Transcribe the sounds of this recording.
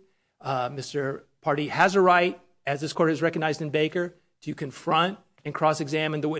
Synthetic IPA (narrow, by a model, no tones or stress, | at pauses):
mɪstə˞ | pʰɑɹɾiɨzəɹaɪɾ̚ | ɨzðɪskʰɔɹɾɨzɹɛkɨɡ̚naɪzdɨ̃nbeɪkə˞ | tʰɨkʰɨ̃ɱfɹʌ̃nt̚ | ɨ̃nkʰɹ̥ɔsɨɡzæmɨ̃nðəwɪ